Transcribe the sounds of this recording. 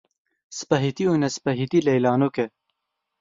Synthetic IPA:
spɐɦit̪iunɛspɐɦit̪iːlɛjlaːnokɛ

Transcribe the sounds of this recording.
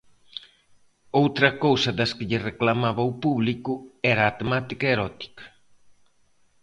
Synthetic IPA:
owt̪ɾɐkowsɐðɐskɪʎɪreklamaβɐupuβlikʊɛɾaːt̪emat̪ikɐeɾɔt̪i̥kɐ̥

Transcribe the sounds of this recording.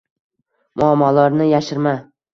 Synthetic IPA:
mʊamːɒlɒɾnɪjaʃɪɾma

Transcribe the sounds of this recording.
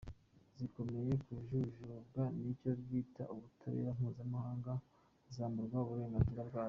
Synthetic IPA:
ziko̞me̞je̞kuʒuʒubɡanico̞ɾɡiːta̰ʔuβutʰaɾḛjam̥huːzamahaːŋɡa | zaːmbuɾɡwauβuɾe̞ːŋɡaziɾabɡwaː

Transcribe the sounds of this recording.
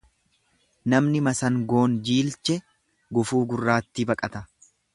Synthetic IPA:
nɐmnɪmɐsɐŋɡo̞ːnd͡ʒiːlt͡ʃɛ | ɡʊfuːɡʊrːaːt̪ːibɐkʼɐt̪ɐ

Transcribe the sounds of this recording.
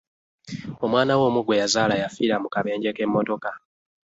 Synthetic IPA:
o̞mwaːnawo̞ːmuɡwe̞jazaːlajafiɾamukaβe̞ːɲɟe̞kemːoto̞ka

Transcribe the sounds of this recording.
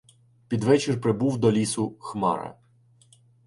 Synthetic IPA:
pʲid̪ʋɛt͡ʃɪrpɾɪbuwd̪ɔlʲisʊxmɑ̰ɾɐ̰

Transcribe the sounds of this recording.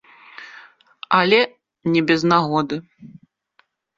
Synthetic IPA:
alʲɛ | nʲɛbʲɛznaɣɔd̪ɨ

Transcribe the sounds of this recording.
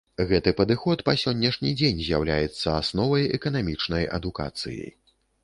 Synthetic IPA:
ɣɛt̪ɨpɐd̪ɨxɔt̪pɐsʲɔnʲːɐʂnʲid͡zʲenʲzʲjawlʲajɛt̪sːɐasnɔvɐjɛ̰kɐn̪amʲit͡ʂnɐjɐ̰d̪uka̰t̪sɨ̰jḭ

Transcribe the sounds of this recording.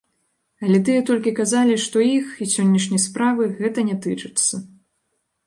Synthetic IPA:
ɐlʲɛt̪ɨjɛt̪ɔlʲkʲikazalʲiʂt̪ɔixisʲɔnʲːɐʂnʲɐjspɾavɨɣɛt̪ɐnʲɛt̪ɨt͡ʂɨt̪sːɐ

